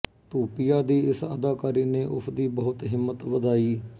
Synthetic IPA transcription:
t̪uːpɪjaːd̪iːɪsəd̪aːkaːɾiːneːʔʊsd̪iːbɔɦʊt̪ɦɪmːət̪ʋəd̪aːiː

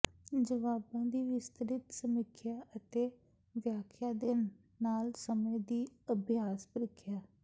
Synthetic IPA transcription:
d͡ʒəʋaːbãːd̪iːʋɪst̪əɾɪt̪səmɪkʰːjaːʔət̪eː | ʋjaːkʰjaːd̪eː | naːlsəmed̪iːəbɪjaːspɾɪkʰːjaː

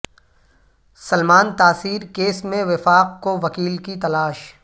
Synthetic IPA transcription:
sɐlmaːnt̪aːsiːɾkeːsmẽʋɪfaːq̚koʋɐkiːlkit̪ɐlaːʃ

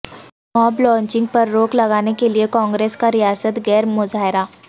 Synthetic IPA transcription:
mɔːblɔ̃ːɲt͡ʃɪ̃ŋɡ̚pɐɾːoːklɐɡaːnekeliekɔ̃ːŋɡɾeːskaɾijaːsət̪ɡɛːɾmʊzaːɦɪɾaː

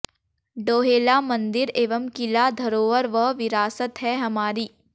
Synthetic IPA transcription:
ɖoːɦeːlamɐ̃nd̪ɪɾeːʋəmkɪlad̪ʱɐɾoːʋəɾʋəɦʋɪɾaːsət̪ɦɛɦɐmaːɾiː

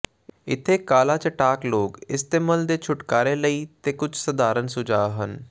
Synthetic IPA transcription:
ɪt̪ʰːeːkaːlaːt͡ʃəʈaːkloːɡɪst̪eːməld̪eːt͡ʃʰʊʈkaːɾeːləiːt̪eːkʊt͡ʃʰsəd̪aːɾənsʊd͡ʒaːɦən

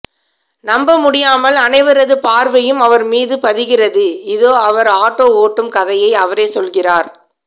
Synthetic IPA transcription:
nɐmbɐmʊɽɪjaːmɐlɐnɐɪʋɐɾɐðɯpaːɾʋɐjɯmɐʋɐɾmiːðɯpɐðɪɣɪrɐðɯɪðoːɐʋɐɾaːʈːoːoːʈːɯmkɐðɐjɐɪɐʋɐɾeːsɔlɣɪraːɾ

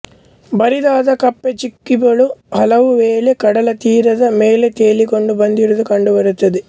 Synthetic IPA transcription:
bɐɾid̪aːd̪ɐkɐpːet͡ʃikːibɐɭuhɐlɐʋuʋeːlekɐɽɐlɐt̪iːɾɐd̪ɐmeːlet̪eːliko̞ɳɖubɐnd̪iɾud̪ukɐɳɖubɐɾut̪ːɐd̪i

